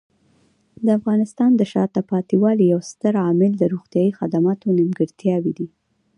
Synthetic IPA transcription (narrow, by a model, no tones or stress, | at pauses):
d̪əafɣɑnɪst̪ɑnd̪əʃɑt̪apɑt̪iwɑlijawst̪əɾɑmɪld̪əɾoɣt̪jɑjixad̪amɑt̪onimɡəɾt̪jɑwid̪i